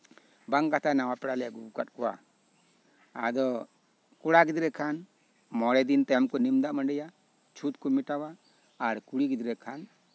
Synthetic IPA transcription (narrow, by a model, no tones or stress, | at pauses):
baŋkat̪ʰanawapɛɽalɛɡub̚kat̪̚kɔwa̰ | a̰d̪ɔ | kuɽaɡid̪iɾɛkʰan | mɔɽɛd̪int̪ɛmkɔnimd̪aʔməɳɖɛja | t͡ʃʰut̪kumiʈawaː | ɾkuɽiɡid̪ɾɛkʰan